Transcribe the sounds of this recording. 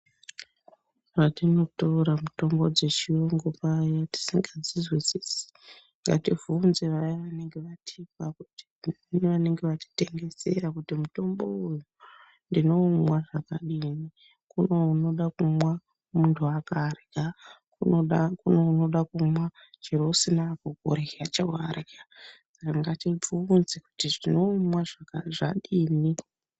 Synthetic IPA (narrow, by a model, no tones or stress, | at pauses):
ratino̞touɾamuto̞mbo̞d͡ze̞t͡ʃioŋɡopajati̥siŋɡad͡zizwisisi̥ | ŋɡativunzeʋajaʋane̞ŋɡe̞ʋatʰipakuti̥ | niʋane̞ŋɡe̞ʋati̥te̞ŋɡe̞se̞rakutimuto̞mbo̞uju | ndino̞mwaʐakaɗini | kunouno̞ɗakumwa | muntʰuakarikakuokunouno̞ɗakumwa | t͡ʃirosinakoɡʱo̰ɾeiat͡ʃawaɾikasakaŋɡatib͡vuːnzeku̥tiʐino̞mwaʐakaʐaɗiːni